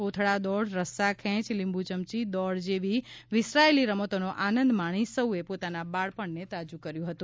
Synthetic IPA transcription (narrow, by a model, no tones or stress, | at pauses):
pot̪ʰɭad̪ɔɽɾəsakʰɛ̃t͡ʃlɪmbʱut͡ʃəmt͡ʃid̪ɔɽd͡ʒeʋiʋɪsɾaeliɾəmot̪onoʔanənd̪maɽ̃isəuepot̪anabaɭpəɳnet̪ad͡ʒukəɾjũɦət̪ũ